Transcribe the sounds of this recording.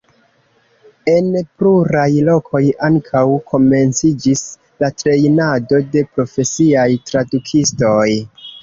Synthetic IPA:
e̞npluɾajlo̞kʰo̞jaŋkʰawkʰo̞me̞nt͡sid͡ʒis | latɾe̞jnado̞de̞pɾo̞fe̞siajtɾadukʰisto̞j

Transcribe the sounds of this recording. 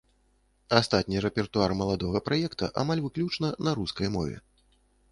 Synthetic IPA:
ast̪at̪ʲnʲirɛpʲɛrt̪uarmɐlˠad̪ɔɣɐpɾajɛkt̪ɐ̰ʔamalʲvɨklʲut͡ʂnɐnɐɾuskɐjmɔ̰vʲɛ̰

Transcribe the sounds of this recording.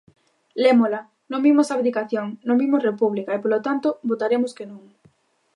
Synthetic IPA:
lemola | nõŋbimosaβðikaθjoŋnõŋbimosrepuβlikaepolot̪ant̪obot̪aɾemoskenũŋ

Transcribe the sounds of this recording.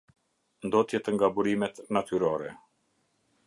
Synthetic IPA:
nd̪ɔt̪jɛt̪əŋɡabuɾimɛt̪nat̪yɾɔɾɛ

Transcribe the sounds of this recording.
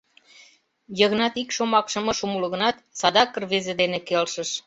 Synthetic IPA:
jəɣnɑt̪ikʃomɑkʃɤ̆mɤ̆ʃumuləɣə̆nɑt̪sɑd̪ɑkərβezed̪enekelʃə̆ʃ

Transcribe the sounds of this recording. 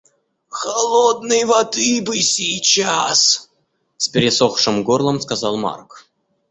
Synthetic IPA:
xɐlˠod̪̚nɨjvɐd̪ɨbɨsʲijt͡ɕas | spʲɪɾʲɪsoxʂɨmɡorlˠəmskazɑlˠma̰rk

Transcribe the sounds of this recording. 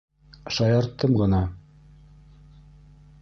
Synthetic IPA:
ʃɑjɑɾt̪ːɤmɢɤ̆nɑ

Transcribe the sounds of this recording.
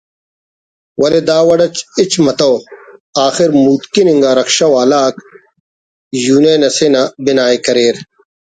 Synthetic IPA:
wɐled̪aːwɐɽɐt͡ɕit͡ɕmɐt̪ɐwaːxɪɾmuːt̪kiniŋɡaːɾɐkʃɐwaːlaːk | juːneːnɐsenabinaːekɐɾeːɾ

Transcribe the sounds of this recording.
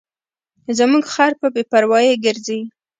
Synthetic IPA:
zəmuɡxɑɾpəbepaɾwɑjeɡəɾze

